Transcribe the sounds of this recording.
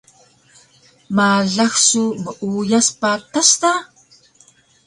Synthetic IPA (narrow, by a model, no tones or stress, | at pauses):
maɮaxsuməʔujaspatasta